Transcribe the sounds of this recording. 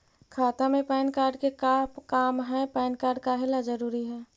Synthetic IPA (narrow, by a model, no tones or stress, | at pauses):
kʰaːt̪amẽpɛːnkaːɾɖkekakaːmɦɛpɛːnkaːɾɖ̚kaɦɪlad͡ʒəɾuːɾiɦɛː